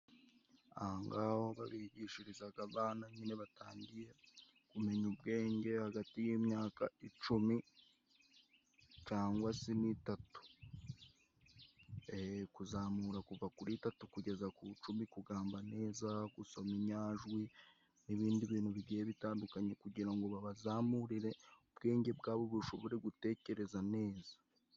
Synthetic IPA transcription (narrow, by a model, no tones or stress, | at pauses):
ahaŋɡaho̞βa̰βiɟiːʃiɾizaɡaβaːnaɲine̞βataːɲɟije̞ | kume̞ɲubɡe̞ːɲɟe̞haɡatijimɲaːkait͡ʃumi | t͡ʃaːŋɡwasinitatu̥ | ekuzaːmuɾakuvakuɾitatukuɟe̞zakut͡ʃumikuɡaːmbane̞ːzaɡuso̞miɲaːʒwi | niβiːndiβiːn̥huβiɡijeβitaːndukaɲe̞kuɟiɾaŋɡo̞βaβazaːmuɾiɾe̞ubɡe̞ːɲɟe̞bɡaːβoβuʃo̞βo̞ɾe̞ɡute̞ːce̞ɾe̞zane̞ːzḁ